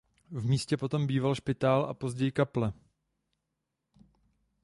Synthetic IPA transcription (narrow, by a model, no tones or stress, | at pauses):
vmiːscɛpo̞t̪o̞mbiːvalʃpɪt̪aːlʔa̰po̞zɟɛjɪkaplɛ